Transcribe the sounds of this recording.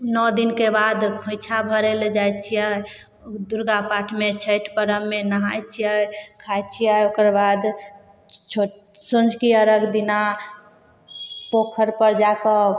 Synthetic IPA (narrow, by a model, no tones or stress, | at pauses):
nɔd̪inkebad̪kʰõɪt͡ʃʰabʱəɾeld͡ʒajt͡ʃʰijə | d̪uɾɡapaʈʰmet͡ʃʰəjʈʰpəɾəmːenəɦajt͡ʃʰijəkʰajt͡ʃʰijəokəɾbad̪ | t͡ʃʰo | sond͡ʒʱkiəɾəɡd̪ina | pokʰəɾpəɾd͡ʒakə